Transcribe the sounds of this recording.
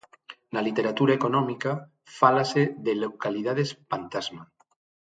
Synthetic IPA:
nalit̪eɾat̪uɾaekonɔmika | falaseðelokalið̞að̞espant̪azma

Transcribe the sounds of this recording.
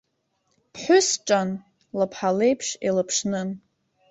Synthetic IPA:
pʰħʷʊsʈ͡ʂʼan | lapʰħalejpʰʂḛlapʰʂnɨn

